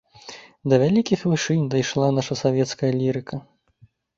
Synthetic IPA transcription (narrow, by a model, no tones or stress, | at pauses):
d̪ɐvʲalʲikʲixvɨʂɨnʲd̪ajʂlˠanaʂɐsavʲɛt̪skɐjɐlʲiɾɨkʰɐ